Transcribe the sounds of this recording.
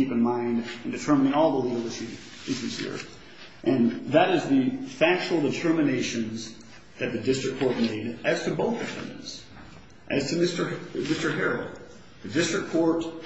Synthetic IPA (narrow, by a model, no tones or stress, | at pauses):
ipɨ̃nmãɪ̃ndɨ̃n̩dɨtʰɜ˞mənɪ̃ŋɔlˠðəliɡl̩ˠɪʃ | ɪʃʉz̥hḭɹ | ʔɨ̃nðəɾɨzðɨfæk̚t͡ʃəl̩ˠdɨtʰɜ˞mɨneɪʃɨ̃nz | ðɨt̪̚ðɨdɪstɹ̥ɨkʰɔɹt̚meɪɾɨz̥tʰɨboʊθɨfɛ̰̃ndɨ̰̃nz̥ | ʔɨz̥tʰɨmɪstə˞mɪstə˞ɦɛɹl̩ˠ | ðɨdɪstɹ̥ɨkʰɔɹt